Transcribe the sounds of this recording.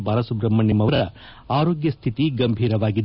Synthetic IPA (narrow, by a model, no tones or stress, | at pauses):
baːɾɐsubɾɐmːɐnːimɐɐɾɐ | aːɾoːɡjɐst̪ʰit̪iɡɐmbʱiːɾɐʋaːɡid̪